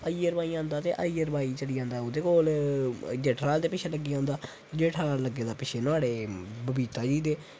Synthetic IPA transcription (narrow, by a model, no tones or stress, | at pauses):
əiːəɾbaːiːãːnd̪aːt̪ḛːʔaiəɾəbaːiːt͡ʃəɽiːãːnd̪aːoːd̪eːkoːl | d͡ʒɛːʈɾaːld̪eːpɪt͡ʃʰeːləɡːiːãːnd̪aː | d͡ʒeːʈʰaːləɡːeːd̪aːpɪt͡ʃʰeːnʊaːɽeːbəbiːt̪aːd͡ʒiːd̪eː